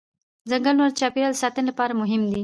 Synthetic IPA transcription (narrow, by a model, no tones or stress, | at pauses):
zəŋɡanwaɾt͡ʃɑpeɾald̪əsɑt̪ənɪlapɑɾamʊɦɪmd̪i